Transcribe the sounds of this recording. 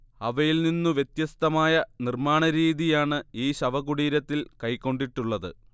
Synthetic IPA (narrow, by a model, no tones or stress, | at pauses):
ɐʋɐjilninːuʋje̞t̪jɐst̪ɐmaːjɐnirmaːɳɐɾiːðijaːɳɨiːɕɐʋɐɣuɽiːɾɐt̪ːilkɐjkːo̞ɳɖiʈːuɭːɐðɨ̰